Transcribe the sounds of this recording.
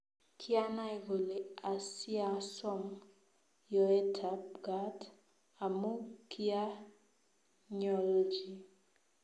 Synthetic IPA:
kʰi˦a˦na˦i˨ɡo˨le˨a˨sja˨sɔ˦m | jɔ˨e˦tʰa˨p̚ɡa˦t | a˨mo˦ki˦a˦ | ɲɔ˨ld͡ʒi˨

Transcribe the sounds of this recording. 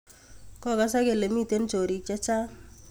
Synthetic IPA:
kɔ˦˨ka˨˦sa˦ke˨le˨mi˦˨te˦nt͡ʃo˨ɾi˨t͡ʃa˦t͡ʃa˦

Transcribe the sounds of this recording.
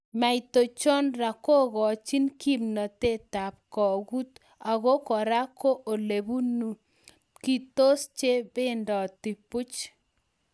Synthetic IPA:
ma˨jto˨t͡ʃɔ˦nra˨ko˦ɣɔ˨t͡ʃi˦nki˦mnɔ˨te˦ta˨p̚kɔ˨ɣu˦t | a˨ɣo˦kɔ˨ɾa˦ko˦ʔo˨le˨βu˦nu˨ | ki˦˨to˦st͡ʃe˦be˦ndɔ˨ti˨pʊ˦t͡ʃ

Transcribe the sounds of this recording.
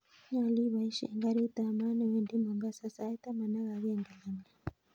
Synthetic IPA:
ɲa˨li˦βa˨i˦ʃɛ̰˨ŋɡa˦ɾi˦ta˨ma˦na˨wɛ˦ndi˦mɔ˨ŋɡa˦sa˦sa˨˦i˦ta˦ma˨na˦ɣa˨ɣɛ˦˨ŋɡa˨la˦ma˨

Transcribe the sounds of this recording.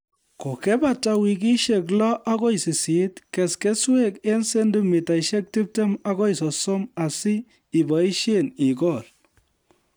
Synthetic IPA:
ko˨kɛ˦ba˦ta˨wi˨k̬i˦ʃe˨k̬lɔ˦ʔa˦ko˦jsi˨si˨˦tkɛ˨ske˦swe˦ke˦nse˦ndu˦mi˨ta˨iʃe˦k̚ti˦p̚te˦ma˦kɔ˦i˨sɔ˨so˦ma˨siː˦˨ | bɔ˨i˦ʃe˦ni˨kɔ˦˨l

